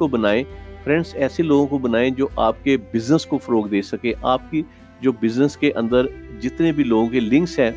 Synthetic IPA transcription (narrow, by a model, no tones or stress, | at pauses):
obɐnaːepʰɾɛ̃ɳɖsɛːseloːɡõkobənaːẽd͡ʒoːʔaːp̚kebɪznəskofɐɾoːkd̪eːsɐkẽʔaːp̚ki | d͡ʒoːbɪznəskeʔə̃nd̪əɾd͡ʒɪt̪nebʱiloːɡõkelɪ̃ŋksɦɛ̃ː